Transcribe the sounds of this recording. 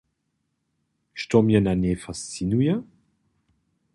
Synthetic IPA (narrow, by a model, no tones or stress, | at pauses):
ʃtɔmjənanefast͡sinujə